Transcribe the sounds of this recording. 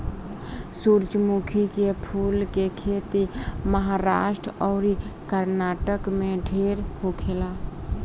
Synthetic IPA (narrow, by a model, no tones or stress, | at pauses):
suːɾd͡ʒmukʰikepʰuːlkekʰeːt̪iməɦaɾaːʃʈɾɔːɾikəɾnaːʈəkmẽɖʱeːɾhokʰelaː